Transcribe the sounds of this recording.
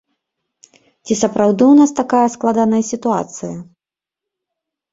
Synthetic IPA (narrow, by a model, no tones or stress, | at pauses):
t͡sʲisɐpɾawd̪ɨwnast̪akajɐsklˠad̪anɐjɐsʲit̪ua̰t̪sɨjɐ